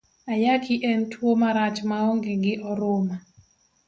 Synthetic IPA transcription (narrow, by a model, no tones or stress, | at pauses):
ajakiʔɛntwomaɾat͡ʃmaoŋɡeɡɪʔɔɾʊma